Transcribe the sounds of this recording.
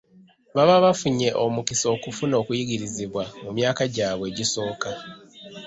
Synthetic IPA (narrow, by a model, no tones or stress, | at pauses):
βaβaβafuɲe̞ʔo̞mukiso̞ːkufuno̞ːkujiɡiɾiziβwamumjaːkaɟaːβwe̞ːɟiso̞ːka